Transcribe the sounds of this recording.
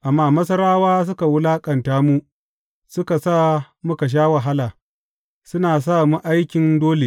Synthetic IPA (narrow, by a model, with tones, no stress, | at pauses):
ʔa˨mːaː˦mɐ˦s̬ɐ˦ɾaː˦waː˦s̬ʊ˦ka˨wʊ˦laː˦kʼɐ˨ntaː˦mu˦ | sʊ˦ka˨saː˦ | mʊ˦ka˨ʃ̬aː˦wa˨ɦa˦laː˨ | sʊ˦naː˨s̬aː˦˨mu˦ʔa˦jkʲɪ˨ndoː˦le˨